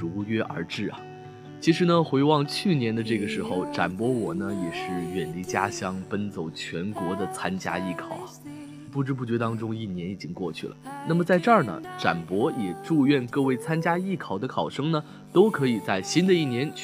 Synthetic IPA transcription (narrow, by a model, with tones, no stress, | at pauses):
u˧˥ɥɛ˥ʔə̰˞˧˥ʈ͡ʂɻ̩˥˩ɐ̰˨˩ | t͡ɕʰi˧˥ʂɻ̩˧˥nə˧xwe˧˥ɪwɑ˥˧ŋt͡ɕʰy˥˩njɛ˧˥nd̪ə˧ʈ͡ʂɤ˥˩ɡə˩ʂɻ̩˧˥xo˥˧ʊʈ͡ʂa̰˨˩npwɔ˧˥wɔ˨˩nə˦jɛ˨˩ʂɻ̩˥˩ɥɛ˨˩nli˥˩t͡ɕja˥ɕjɑ˥ŋpə˥nt͡so˨˩ʊt͡ɕʰɥɛ˧˥nkwɔ˧˥d̪ə˨t͡sʰa˥nt͡ɕja̰˥i˥˩kʰɑ˨˩ʊɐ | pu˥˩ʈ͡ʂɻ̩˥p̬u˥˩t͡ɕɥɛ˧˥t̪ɑ˥ŋʈ͡ʂʊ˥ŋi˥˩njɛ˧˥ni˨˩t͡ɕi˥ŋkwɔ˥˧t͡ɕʰy̰˥˩lə̰˩na˥˩mə˩t͡sa˥˧ɪʈ͡ʂə˞˥˩nə̰˩ʈ͡ʂa̰˨˩npwɔ˧˥jɛ˨˩ʈ͡ʂu˥˧ɥɛ˥˧nkɤ˥˧we˥˩ɪt͡sʰa˥nt͡ɕja˥i˥˩kʰɑ˨˩ʊd̪ə˦kʰɑ˨˩ʊʂɤ˥ŋnə˨ | t̪o˥ʊkʰɤ˧˥i˨˩t͡sa˥˩ɪɕi˥nd̪ə˨˧i˥˩njɛ˧˥nt͡ɕ